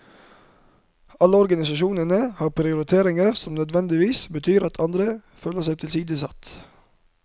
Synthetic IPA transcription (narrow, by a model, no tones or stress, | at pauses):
ɑləɔɾɡɑnɪsɑʃuːnənəhɑːpʰɾɪʊɾɪt̪ʰeːɾɪŋəɾsɔmnœd̪ʋɛnd̪ɪʋiːsbət̪ʰyːɾɑt̪ʰɑnd̪ɾəføːləsæɪt̪ʰɪlsiːd̪əsɑt̪